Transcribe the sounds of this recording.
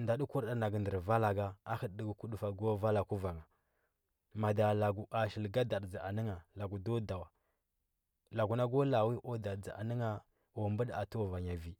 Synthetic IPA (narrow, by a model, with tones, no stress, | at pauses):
nda˨ɗu˦ku˦ɾda˦na˨ɡndə˨ɾva˦la˨ɡa˦a˦hə˨ɗdi˦ɡku˦ɗu˨fa˨ɡo˦va˦la˨ku˦va˨ŋa˨ | ma˨da˨la˨ɡu˨ʔa˨ʃi˨lɡa˦da˨ɗd͡za˨a˨nə˦ŋa˨la˨ɡu˨do˦da˨wa˨ | la˨ɡu˨na˦ɡo˦la˨wi˦ʔo˦da˨dd͡za˨a̰˨nə˦ŋa˦ | o˨mbə˦ɗa˨to˦˨va˨ɲa˨vi˨